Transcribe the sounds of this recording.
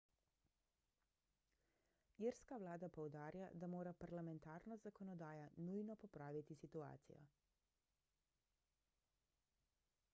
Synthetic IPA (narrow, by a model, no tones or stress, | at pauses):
iɾskaʋlaːd̪apɔwd̪aːɾja̰d̪amoːɾapaɾlamɛnt̪aːɾnɔzakɔnɔd̪aːjanujnɔpɔpɾaːʋit̪isit̪ua̰ːt̪sḭjɔ̰